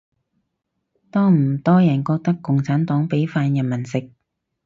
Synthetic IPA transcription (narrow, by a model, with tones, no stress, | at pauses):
t̪ɔː˥ŋm̩˨˩t̪ɔː˥jɐ˨˩nkɔː˧k̚t̪ɐ˥kːʊ˨ŋt͡sʰaː˨˥nt̪ɔː˨˥ŋpe˨˥jfaː˧njɐ˨nmɐ˨˩nsɪ˨k̚